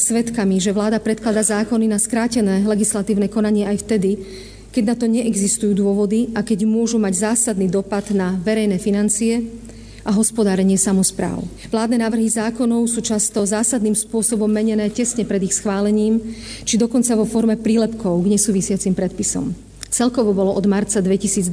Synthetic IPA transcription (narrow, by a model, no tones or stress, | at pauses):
sʋɛt̪kamiʒɛʋlaːd̪apɾɛt̪̚klad̪azaːkɔninaskɾaːcɛnɛːlɛɡislat̪iːʊnɛkɔnaɲɪɛajft̪ɛd̪i | kɛɟnat̪ɔɲɛʔɛɡzist̪ujuːd̪ʊɔʋɔd̪iakɛɟmʊɔʒumaɟzaːsad̪niːd̪ɔpad̪naʋɛɾɛjnɛːfinant͡siɛ | ʔaɦɔspɔd̪aːɾɛɲɪɛsamɔspɾa̰ːʊʋlaːd̪nɛnaːʋr̩ɦizaːkɔnɔʊsuːt͡ʃast̪ɔzaːsad̪niːmspʊɔsɔbɔmːɛɲɛnɛːcɛsɲɛpɾɛd̪ixsxʋaːlɛɲiːmt͡ʃid̪ɔkɔnt͡saʋɔfɔɾmɛpɾiːlɛpkɔʊɡɲɛsuːʋisɪat͡simpɾɛt̪̚pisɔ̰m | t͡sɛlkɔʋɔbɔlɔʔɔd̪maɾt͡sad̪ʋɛcisiːd͡zd̪